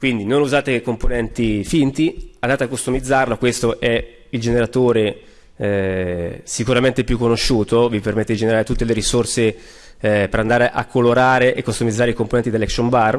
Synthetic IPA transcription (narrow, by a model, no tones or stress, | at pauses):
kwind̪inonuzaːt̪ekomponɛnt̪ifint̪iand̪aːt̪eakːost̪omid̪zːarlokwest̪oʔɛ | ild͡ʒeneɾat̪oːɾe | sikuɾament̪epjukːonoʃuːt̪ovipermet̪ːed̪id͡ʒeneɾaːɾet̪ut̪ːeleɾisorse | peɾand̪aːɾeʔakʰːoloɾaːɾeʔekːost̪omid̪zaːɾeikomponɛnt̪id̪elːɛksombar